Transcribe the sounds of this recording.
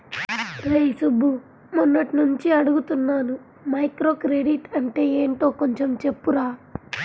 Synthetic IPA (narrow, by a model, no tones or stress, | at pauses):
ɾɐjsubːu | munːɐʈinuɲt͡ʃiɐɽuɡut̪unːaːnu | mɐjkɾo̞ːkɾeɖiʈɐɳʈe̞ːeːɳʈo̞ːko̞ɲt͡ʃe̞mt͡ʃe̞pːuɾaː